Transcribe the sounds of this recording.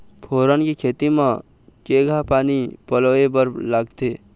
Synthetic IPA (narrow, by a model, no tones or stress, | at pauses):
pʰoɾənkekʰet̪imẽ | keɡʱapaːnipəloebəɾlaɡt̪e